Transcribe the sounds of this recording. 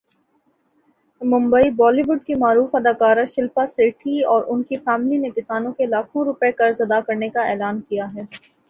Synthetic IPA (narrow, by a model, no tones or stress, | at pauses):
mʊ̃mbəibɔːliʋʊɖkimaːɾuːfɐd̪aːkaːɾaʃɪlpaseːʈʰiɔːɾʔʊnkifɛːmlinekɪsaːnõkelaːkʰõɾʊpekɐɾzɐd̪akɐɾnekaɛːlaːnkijaɦɛː